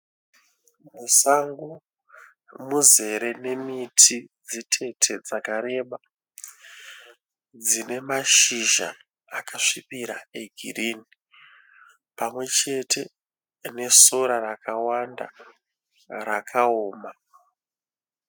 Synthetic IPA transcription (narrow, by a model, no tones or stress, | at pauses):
musaŋɡu | muze̞ɾe̞ne̞mitʰid͡zitʰe̞tʰe̞d͡zakaɾe̞ɓa | d͡zine̞maʃiʒa̰ː | kaʂipiɾa̰e̞ɡʱḭrini | pamwe̞t͡ʃe̞tʰe̞ | ne̞so̞ɾarakawanda̰ | rakʰaoːma